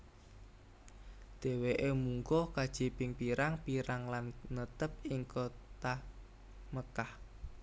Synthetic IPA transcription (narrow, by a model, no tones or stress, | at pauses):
d̪̥e̤weʔemuŋkɔkad̥ʒ̥i̤pɪŋpiɾaŋpiɾaŋlanːət̪əp̚iŋkot̪a | məkah